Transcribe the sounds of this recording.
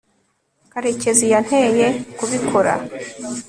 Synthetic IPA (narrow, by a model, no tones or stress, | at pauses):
kaɾe̞ce̞zijan̥he̞jekuβikʰoɾa̰